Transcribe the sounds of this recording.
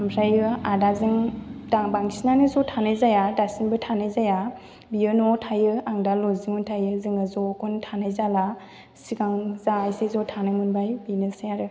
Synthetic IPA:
amɾajɯadazɯŋdaŋbaŋsinanɯzɔtʰanɯjzajadasinbɯtʰanajzaja | biɯnɔtʰajɯaŋdalɔziŋɔntʰajɯzɯŋɯzɔkʰɔntʰanajzala | siɡaŋzaːjsezɔtʰanɯmɯnbajbinɯsajaɾɯ

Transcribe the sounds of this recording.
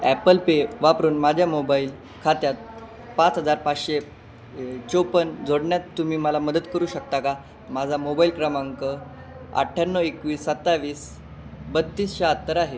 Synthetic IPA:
æpəlpeʋapɾuːnmad͡ʑʱjamobaiːl | kʰat̪jat̪̚ | pat͡sɦəd͡zaɾpaɕe | t͡ɕopənd͡zʱoɽɳjat̪ːumiːməlaməd̪ət̪kəɾuːɕək̚t̪aka | mad͡zʱamobaiːlkɾəmãŋkə | a̰ʈʰːanːəekʋiːsːət̪ːaʋiːs | bət̪ːiːsɕaat̪ːəɾaɦe

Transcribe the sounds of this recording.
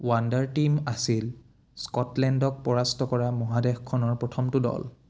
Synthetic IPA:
wandaɹtimasil | skɔtlɛndɔk̚pɔɹastɔkɔɹamɔɦadɛxkʰːɔnɔɹpɹɔtʰɔmtʊdɔ̰l

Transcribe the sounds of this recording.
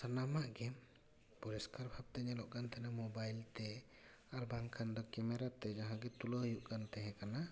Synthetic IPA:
sanamaʔɡɛm | pɔɾɛskʰaɾbʱab̚t̪ɛɲɛlɔʔɡant̪ɛnamɔbajlt̪ɛ | aɾbaŋkʰand̪ɔkɛmɛɾat̪ɛd͡ʒaɦãɡɛt̪uləhjuʔkant̪ɛɦɛ̃kana

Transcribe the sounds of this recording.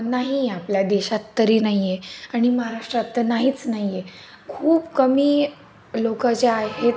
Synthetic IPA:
naɦiapljad̪eɕat̪ːəɾiːnaɦijeaɽ̃iməɦaɾaʂʈɾat̪ːənaɦiːt͡snaɦije | kʰuːpkəmiː | lokat͡ɕaaeɦet̪

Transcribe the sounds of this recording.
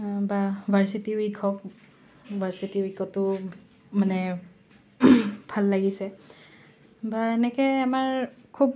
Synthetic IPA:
babʱaɹsitiwikʰɔk | bʱaɹsitiwikʰɔtʊ | manɛ | bʱalːaɡisɛ | baenɛkɛamaɹkʰub̚

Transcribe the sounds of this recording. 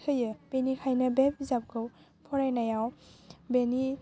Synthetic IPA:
kʰɯjɯb̥enikʰajnɐbep̚izap̚ɡɯw | pʰɔɾajnajawbeni

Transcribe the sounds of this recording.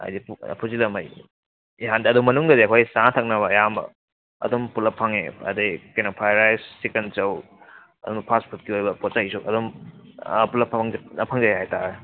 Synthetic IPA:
a̰jdippʰuzilɐmaj | iɦandiɐdumɐnuŋɡɐdiɐkʰojsatʰɐk̚nɐβɐːjambɐ̰ | ɐ̰dumpulɐpʰaŋḛɐ̰dikenopʰajɾajssikent͡ʃɐw | ɐdumbɐpʰaspʰut̚kiojbɐpɔt̚t͡ʃaisukɐdum | pulɐpʰaŋnɐpʰaŋzajɦajtaɾe

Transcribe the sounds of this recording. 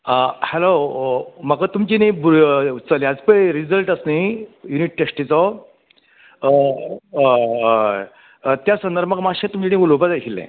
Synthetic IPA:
əhɛlo | m̤əkat̪umt͡ɕinĩbɾt͡səljad͡zpəɾid͡zəlʈəsnijuniʈ̚ʈesʈit͡sɔ | t̪jasənd̪əɾbəkmaɕẽt̪umt͡ɕinĩɡulopad͡zajkʰilːɛ̰̃

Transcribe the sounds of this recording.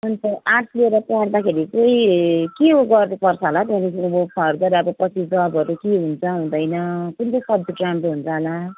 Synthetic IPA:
mʌnt͡sʌ̃ʔaʈsʰlieɾʌpãrd̪akʰeɾikoikeɡʌrnupʌrt͡sʰʌlat̪ãnikʌbopʰʌɾdʌɾaʌbʌpʌt͡sʰid͡zʌbʱʌɾukeɦunt͡sʰʌɦũd̪ʌjnʌkunt̪ʌjsʌb̚d̪ʌɖramʈoɦunt͡sʰʌla

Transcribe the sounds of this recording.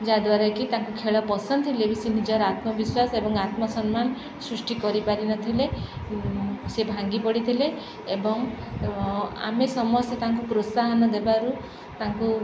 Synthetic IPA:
d͡ʒad̪waɾɔkit̪ãŋkukʰeɭɔpɔsɔnd̪ɔt̪ʰilebisinid͡ʒɔɾat̪mɔbiswasebɔŋat̪mɔsɔnmanɔ | sɾusʈikɔɾipaɾinɔt̪ʰile | sebʱaŋɡipɔɽit̪ʰileː | bɔŋ | a̰mesɔmɔset̪aŋkukɾosaɦɔnɔd̪ebaɾu | t̪aŋku

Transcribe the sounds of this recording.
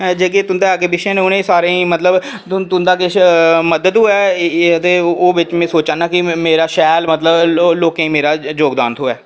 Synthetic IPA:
d͡ʒeːkeːt̪ʊnd̪eːaːkeːbɪʃẽːnẽʊnẽːsaːɾẽmət̪ləb | t̪ʊnd̪aːkɪməd̪əd̪uːɛːt̪eːoːʋɪt͡ʃmẽːsoːt͡ʃaːnaːkɪmeːɾaːʃɛːlmət̪ləbloːkẽĩːmeːɾaːd͡ʒoːɡd̪aːnt̪ʰoːɛː

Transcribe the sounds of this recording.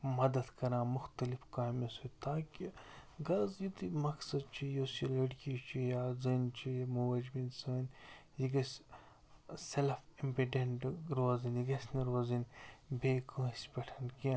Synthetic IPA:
mɐd̪ɐd̪kɐɾãːmʊxt̪ɐlifkaːmisut̪aːkiɡɐzjit̪imɐksɐd̪̚t͡ʃʰijosilɐɽkit͡ʃʰijaːzint͡ʃʰijmuʋɐd͡ʒbinsɐɐnjiɡɐs | selɐfimpiɖeɳʈɾoːzinjiɡɐsʲniɾoːzinbeːkɐ̃ːisʲpʲɐʈʰɐnkĩ

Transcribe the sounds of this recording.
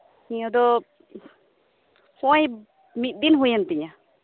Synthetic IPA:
hiɔd̪ɔ | pɔ̃j | mit̪̚d̪inɦujant̪iɲa

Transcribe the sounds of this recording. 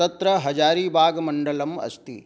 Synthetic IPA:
ɐt̪ɾɐɦɐd͡ʒaːɾiːbʱaːɡɐmɐɳɖɐlɐmɐ̰st̪ḭ

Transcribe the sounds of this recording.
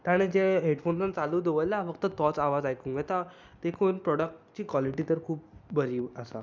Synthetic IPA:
t̪aɽ̃ẽd͡ʑeɦeɽfonsənt͡saluːd̪eʋəjlafəɡ̚t̪ət̪ɔt͡saʋad͡zajkũŋɡet̪a | d̪̥ekʰuːnpɾɔɽək̚ʈt͡ɕiːkʋɔliʈiːt̪əɾkʰuːp̚bəɾiːəsa

